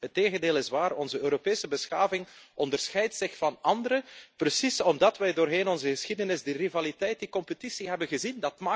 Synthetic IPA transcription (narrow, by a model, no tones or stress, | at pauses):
ɦətːeːɣəndeːlˠɪsʋaːrɔnzəøːɾopeːsəbəsxaːvɪŋɔndərsxɛjtsɪxfɑnɑndəɾəprəsisɔmdɑtʋɛjdoːrɦeːnɔnzəɣəsxidənɪzdirivalitɛjt̚dikɔmpətisiɦɛbənɣəzindɑtmaː